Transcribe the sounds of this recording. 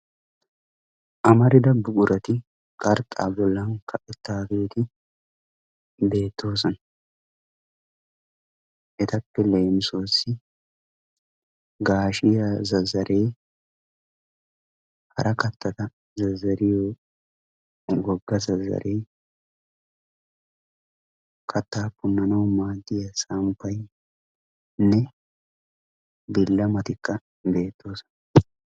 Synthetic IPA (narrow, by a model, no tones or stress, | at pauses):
ʔɐmɐɾɪd̪ɐbʊkʼʊɾʔɐt̪ɪ | kʼɐɾt̪ʼa̰ːbɔlːɐŋkɐʔɪt̪ːaːkeːt̪ɪ | be̞ːt̪ːo̞ːs̬ɔnɐ | ʔɛt̪ɐpːɛleːmɪso̞ːsːɪ | ɡaːʃɪjɐzɐzɐɾʔe̞ː | hɐ̰ɾʔɐkɐt̪ʰːɐt̪ɐ | zɐzːɐɾɪjoː | ɡɔɡːɐzɐzːɐ̰ɾe̞ː | kʰɐt̪ːaːpːʊnːɐnɐwmaːd̪ːɪjɐsɐmpːɐj | nɛ | bɪlːɐmɐt̪ɪkːɐ | be̞ːt̪ʰːo̞ːsɔ̥n